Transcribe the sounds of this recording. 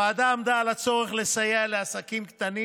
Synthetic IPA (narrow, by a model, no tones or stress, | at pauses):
aːd̪aomd̪aːlat͡so̞ʁe̞χle̞sajeleasakimkt̪ani